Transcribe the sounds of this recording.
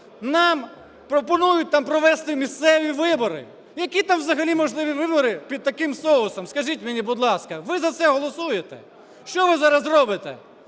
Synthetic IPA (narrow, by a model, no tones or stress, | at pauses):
nɑm | pɾɔpɔnujʊt̚ʲt̪ɑmpɾɔʋɛst̪ɪmʲist̪sɛʋʲiʋɪbɔɾɪ̰ | jɐkʲit̪ɑmʋzɐɦɐlʲimɔʒlˠɪʋʲiʋɪbɔɾɪpʲid̪̚t̪ɐkɪmsɔʊsɔmskɐʒʲitʲmenʲibʊd̪lˠɑskɐʋɪzɐt̪sɛɦɔlˠɔsujet̪ɛ̰ | ʃt͡ʃɔʋɪzɑɾɐzrɔbɪt̪ɛ̰